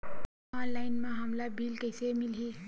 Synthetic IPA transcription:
ãlajnmãɦəmlabʱilkəjsemilɦi

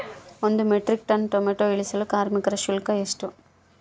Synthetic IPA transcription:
ond̪umɛʈɾik̚ʈɐnʈomeʈoːiɭisɐlukaːɾmikɐɾɐʃulkɐeʂʈu

